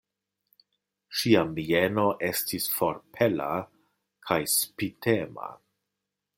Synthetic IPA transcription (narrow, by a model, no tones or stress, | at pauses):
ʃiamienoʔe̞stisfo̞ɾpʰe̞la̰ | kʰajspitʰema̰